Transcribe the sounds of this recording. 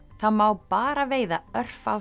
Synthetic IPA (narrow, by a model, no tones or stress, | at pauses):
θaðmawpaːɾaveːjðaœr̥faw